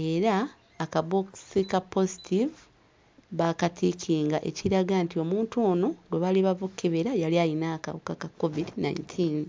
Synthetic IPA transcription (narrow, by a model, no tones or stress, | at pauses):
e̞ːɾaː | kaboksikapːo̞zitʰivu | βakatʰikʰiːŋɡaʔe̞̰ciɾaɡantio̞muːntoːno̞ɡweβaliβavokːeβeɾajaliajinaka̰βukakakːovidina̰jntʰin